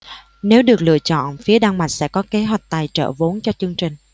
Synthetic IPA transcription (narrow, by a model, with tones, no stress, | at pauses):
ne˨˦wɗɨ˨˩ək̚lɨ̰˧˨ət͡ɕɔ̰˧˨nfi˨˦əɗaː˧ŋma˨˩t̚sɛ̰˧˥kɔ˨˦ke˨˦ɦwa˨˩jk̟̚t̪aː˨˩jt͡ɕə̰ː˧˨vo˨˦nt͡ɕɔ˧t͡ɕɨ˧əŋt͡ɕï˨˩ŋ̟